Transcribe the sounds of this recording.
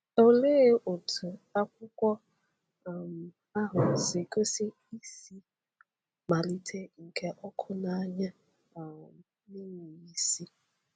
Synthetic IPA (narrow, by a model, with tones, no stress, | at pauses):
o˦le˦ʔo˨tʰʊ˨a˦kʷʊ˦kʷɔ˦˨ | m˨ | a˦ɦʊ˨sɪ˨ko˦si˦ | i˦si˦ | ma˨li˦tʰe˦ŋ̩˨kʰe˦ʔɔ˦kʰʊ˦na˦˨a˦ɲa˦˨ | nɪ˦ŋ̩˨i˦si˦